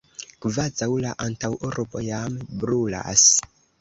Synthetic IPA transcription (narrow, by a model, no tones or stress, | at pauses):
kvazawlaʔantawʔuɾbo̞jambɾula̰s